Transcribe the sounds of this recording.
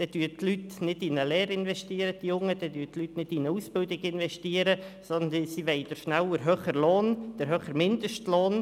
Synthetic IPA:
d̥ɛd̥yːtlytnɪdɪnəlɛːɾɪnʋɛʃtiːəɾəd̥ijʊŋːəd̥ɛdyːtlytnɪtɪnəusb̥ɪldɪɡɪnʋɛʃtiəɾəsɔnəsiʋɛɪd̥əɾʃnæləɾɦøːχəɾloːnd̥əɾɦøːχəɾmɪnd̥̪əʃtloːn

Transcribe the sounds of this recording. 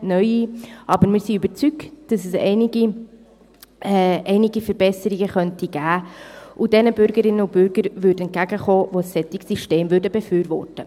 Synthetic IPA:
nœʏiʔɑbəɾmɪːɾsiybəɾt͡sykd̥ɑsɛsɛ̰ɪnɪɡi | ɛɪnɪɡifəɾb̥ɛsəɾiɡəχœntiɡ̥æːʔud̥ɛnəbʏɾɡəɾɪnːəʊb̥ʏɾɡ̥əɾvʏɾd̩ɛnt̚ɡ̥æɡəχoːvosːɛtɪksiʃteːmvʏɾdəbɛfyːɾvɔ̰rtə

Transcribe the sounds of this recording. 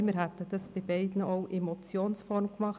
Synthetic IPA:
mɪːɾɦæt̪ːəd̥ɑsb̥ɪbɛɪdn̩oʊʔemot͡sjoːnsfɔɾmkmɑχ

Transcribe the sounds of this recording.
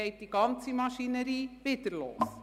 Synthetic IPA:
ɛɪt̚d̥iɡ̥ɑnt͡simɑʃinəɾiːʋɪdəɾlo̰ːs

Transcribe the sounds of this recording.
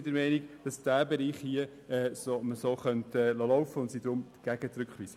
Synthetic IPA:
d̥əɾmɛɪniɡd̥ɑsd̥æːbɛɾiːχhiə | ɛːsoməsoːχœntəɛlolɔwfəʊntsidɾʊmɡ̥æɡ̥ət͡sɾʉkχʋiːsə

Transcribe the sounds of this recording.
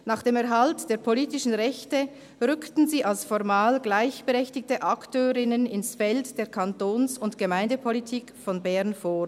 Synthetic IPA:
naːχd̥eːmɛɐɦaltd̥eːɐpʰoliːtɪʃn̩ʁɛçtə | ʁʏktn̩ziːʔalsfɔʁmaːlɡlaɪçb̥əʁɛçtɪktəʔaktʰøːʁɪnənɪnsfɛltd̥eːɐkʰantoːnsʊntɡ̥əmaɪndəpʰolitʰiːkfɔnbɛɐnfoː

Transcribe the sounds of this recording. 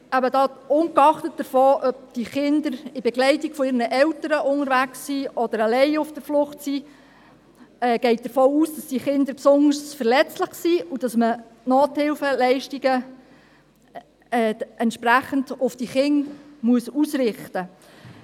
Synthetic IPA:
æbəd̪ɑːʊŋkɑχtət̚d̥əɾfɔːʔœb̚d̥iχɪnd̪əɾɪb̥ɛɡlɛɪtiɡ̥fɔɪːɾnəʔɛwtəɾəʔʊŋəɾʋæksːiɔd̥̪əɾalɛɪʊfd̥əɾflʊχtsiː | ɛːɡ̥ɛɪt̚d̥əɾfɔːuːsd̥ɑsd̥iχɪnd̪əɾpsʊndəɾsfəɾlɛt͡slɪχsiːud̥ɑsmə | noːthɪlfəlɛɪʃtiɡ̥ə | ɛːɛntʃpɾæχənd̥ʊfd̥iχɪŋmuəsusɾɪχtə

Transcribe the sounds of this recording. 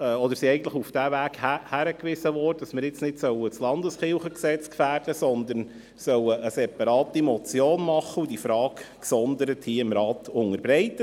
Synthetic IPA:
ɔd̪əɾsiɛɪɡən̩tləχufd̥ævæːɡhæhæɾəkʋɪsəvɔtd̥ɑsmɪɾɪt͡snɪtsœwət͡slɑnd̪əsχɪlχəksɛt͡skfæːɾdəsɔnd̪əɾn | sœwəʔəsɛpɑɾɑːtimɔt͡sjoːnmɑχəudifɾɑːkksɔnd̪əɾəthiːɪmɾɑːt̪ʊŋəɾbɾɛɪt̪ːə

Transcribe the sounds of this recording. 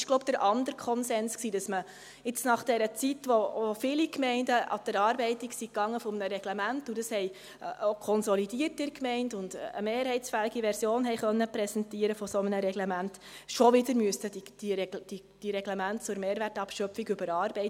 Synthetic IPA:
ʃɡ̥loʊb̚d̪̥əɾʔɑndəɾkʰɔnsɛnsksiːd̥ɑsmə | ɪt͡snɑχd̥ɛɾət͡sitʋoofɪːlikmɛɪndəʔɑ̰d̥əɾɑːɾbɛɪtiksikːɑŋːəfɔmnəɾɛɡ̥lɛmæntud̥ɑshɛɪ | ʔokʰɔnsɔlid̥iːərtɪrkmɛɪndʊnd̥ə̰meːɾhɛɪtsfælɪɡiʋɛɾsjoːnɦɛɪχœnːəpɾɛsɛntiəɾəfɔsɔmənəɾɛɡlɛmænt | ʃɔʋɪdəɾmyəsədid̥iɾɛd̥i | d̥iɾɛɡ̥lɛmæntt͡sʊɾmeːɾʋærtɑpʃœpfiɡʏbəɾɑːɾb̥ɛɪt

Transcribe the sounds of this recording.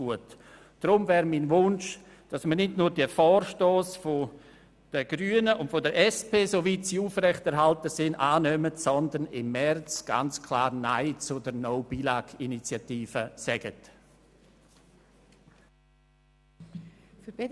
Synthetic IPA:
uət | d̥ɾʊmvɛːɾminvʊnʃ | d̥asməɾnɪdnuːɾd̥iəfɔːɾʃtoːsfo | d̥əɡ̥ɾyːənəʔʊntfodəɾʔɛspeːsovitsiuːfrɛχtɛɾɦaltəsɪnʔaːnœmətsɔndənɪmːɛrt͡sɡ̥a̰nt͡skʰlaːɾnaɪt͡sʊdəɾnoʊbilaɡinit͡sjatiːfəsɛɡ̥ət | f

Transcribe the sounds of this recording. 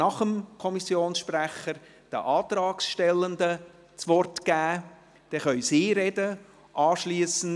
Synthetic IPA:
nɑχəmkʰɔmisjoːnsʃpræχəɾ | d̥ə̰ʔɑːtrɑːksʃtɛlːənd̪ə | t͡sʋɔrtɡ̥æː | d̥ɛχœʏsiːɾɛdə | ʔɑːʃliəsən̩

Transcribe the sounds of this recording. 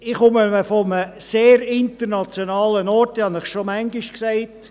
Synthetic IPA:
ɪχʊməməfɔməseːɾɪntəɾnɑt͡sjonɑːlənɔɾthɑnɪχʃomæŋɡɪʃksaɪt

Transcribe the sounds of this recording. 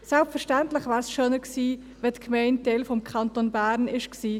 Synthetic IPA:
sɛlpfəɾʃtɛntlɪχvæːɾsʃœnəksiː | vɛtkʰmɛɪn̚d̥elfɔmkʰɑntonbæːɾnɪʃksiː

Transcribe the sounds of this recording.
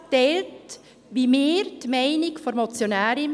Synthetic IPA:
tɛlt | ʋimeːɾtmæɪnɪkfoɾmɔt͡sjonæːɾɪm

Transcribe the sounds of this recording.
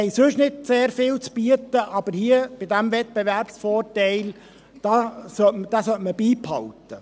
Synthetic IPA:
ɛɪsøʃnɪdseːɾfɪːwt͡sb̥yət̪əʔɑb̥əɾhiːəb̥ɪd̪æmvɛt̪̚beʋæɾpsfɔːrtɛɪl | d̥ɑːsœtməd̥ɑsœtməbiːphɑlt̪ə

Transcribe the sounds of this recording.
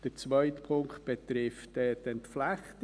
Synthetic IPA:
d̥əɾt͡sʋœʏtpʰʊŋkt̚b̥et̪ɾɪftɛdɛntflæχt

